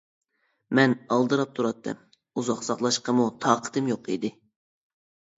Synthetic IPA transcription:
mɛnɑlˠd̪ɨɾɑp̚t̪ʰuɾɑt̪ʰːɨ̰m | uzɑχsɑχlˠɑʃqəmut̪ʰɑːqʰə̥t̪ʰɨmjoqʰḭd̪ɪ

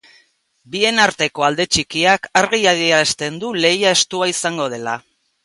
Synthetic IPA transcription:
bie̞naɾt̪e̞ko̞ald̪e̞t͡ʃikiakaɾɣiaðiast̪e̞nd̪ule̞jae̞st̪uaisaŋɡo̞ð̞e̞la

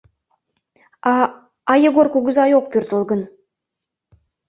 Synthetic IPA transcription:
ɑjeɡorkuɡə̆zɑjoq̚pʲyrt̪olˠɡɤ̆n

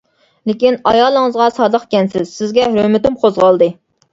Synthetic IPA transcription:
lekʲinɑjɑːlˠəŋəzʁɑsɑːd̪əqkʲɛnsɪzsɪzɡʲɛɾømɪt̪ɪmqʰozʁɑlˠd̪ɨ

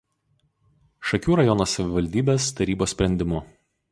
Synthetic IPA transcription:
ʃɐkʲuːɾɐjɔnoːsɐʋʲɪʋɐlʲd̪ʲiːbʲeːst̪ɐɾʲiːboːsʲpʲɾʲɛnʲd̪ʲɪmʊ

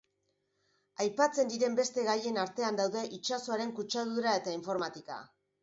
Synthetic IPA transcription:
ajpat͡se̞nd̪iɾe̞mbe̞st̪e̞ɣaje̞naɾt̪e̞and̪awðe̞ʔit͡ʃaso̞aɾe̞ŋkut͡ʃaðuɾae̞t̪aiɱfo̞ɾmat̪ika̰

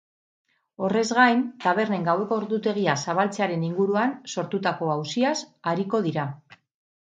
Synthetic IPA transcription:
o̞re̞zɣajnt̪aβ̞e̞ɾne̞ŋɡawe̞ko̞ɾðut̪e̞ɣ̞iasaβ̞alt͡seaɾe̞niŋɡuɾuanso̞ɾt̪ut̪ako̞awsiasaɾiko̞ð̞iɾa

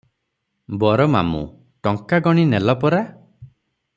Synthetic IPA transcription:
bɔɾɔma̰mṵ | ʈɔŋkaɡɔɽ̃inɛlɔpɔɾa

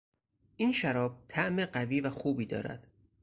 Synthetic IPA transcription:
ʔiːnʃæɾɒːb̚t̪ʰæʔmeɢæviːvæxuːbiːd̪ɒ̰ːɾæ̰d̪̥

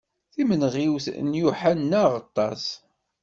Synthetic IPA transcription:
θimənʁiwθnjuħanːæʁɑt̪ˤːɑs

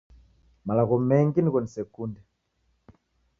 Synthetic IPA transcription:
malakɔmɛŋɡinikɔnisɛkundɛ

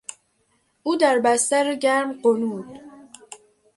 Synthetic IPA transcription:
ʔuːd̪æɾbæst̪æɾeɟæɾmɢonuːd̪̥

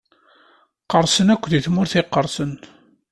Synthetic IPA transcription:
qəɾˤsənækʷːðiθmʊɾθɪqːəɾˤsən

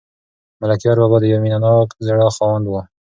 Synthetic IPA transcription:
malakijɑɾbabɑd̪əjaminanɑkzaɽɑxɑwand̪wə

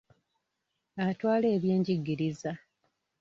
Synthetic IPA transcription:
atwaːle̞ːβje̞ːɲɟiɡːiɾiza

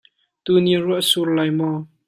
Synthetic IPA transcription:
t̪uːniruəʔsurlajmɔ

